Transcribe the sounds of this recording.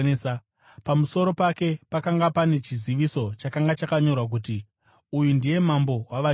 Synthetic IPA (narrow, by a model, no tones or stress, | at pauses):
a | pamuso̞ɾo̞pake̞pakaŋɡapane̞t͡ʃiziʋiso̞t͡ʃakaŋɡat͡ʃakaɲo̞rwak̬uti | ujundije̞mambo̞waʋa